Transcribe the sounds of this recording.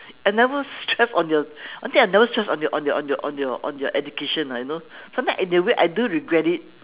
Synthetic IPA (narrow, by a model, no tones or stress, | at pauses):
ãnɛvəstɹɛsɔ̃njɔãnt̪ĩanɛvəstɹɛsɔ̃njɔʔɔ̃njɔʔɔ̃njɔʔɔ̰̃njɔʔɔ̰̃njɔʔɛdukeʃə̃najunosãmt̪ãʔĩnəweʔa̰jduɹiɡɹɛtit̚